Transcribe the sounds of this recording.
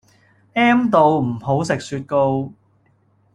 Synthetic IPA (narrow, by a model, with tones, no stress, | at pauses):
ʔɛː˥mt̪o˧wm̩˨˩ho˨˥wsɪ˨k̚syː˧t̚ko˧w